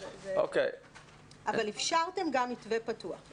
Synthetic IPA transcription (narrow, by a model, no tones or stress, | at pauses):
o̰kḛj | ʔavalifʃaʁte̞mɡamitvepatuaχ